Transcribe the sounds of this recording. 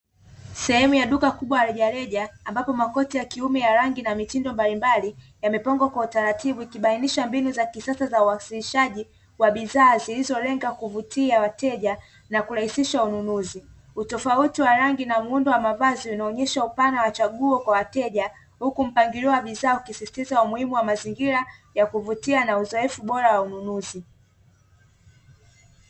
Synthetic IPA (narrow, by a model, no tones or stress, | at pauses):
sɛhɛmujaɗukakuɓwajaɾɛʄaɾɛʄaːmbapɔmakɔtijakiumɛjaɾaŋɡinamitindɔmbalimbali | jamɛpaŋɡwakwautaɾatiɓuikiɓainiʃambinuzakisasazauasiliʃaʄi | waɓiðaːzilizɔlɛŋɡakuvutʰiawatɛʄa | nakuɾahisiʃaununuzi | utɔfautiwaɾaŋɡinamuundɔwamavaziunaɔɲɛʃaupanawat͡ʃaɠuɔkwawatɛʄa | hukum̩paŋɡiliwaɓiðaːukisisi̥tizaumuhimuwamaziŋɡiɾajakuvutianauzɔɛfuɓɔɾawaununuzi